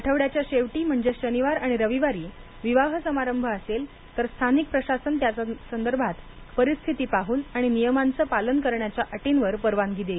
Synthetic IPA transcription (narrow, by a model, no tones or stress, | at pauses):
əʈʰəʋɽjat͡ɕjaɕeʋʈiːm̤əɳd͡zeɕəniʋaɾaɽ̃iɾəʋiʋaɾiː | ʋiʋaɦsəmaɾəmbʱəəsel | t̪əɾst̪ʰanik̚pɾəɕasənt̪jat͡sasənd̪əɾbʱat̪ | pəɾist̪ʰit̪iːpaɦuːnaɽ̃inijəmant͡səpalənkəɾɳjat͡ɕjaʔəʈinʋəɾpəɾʋanɡid̪e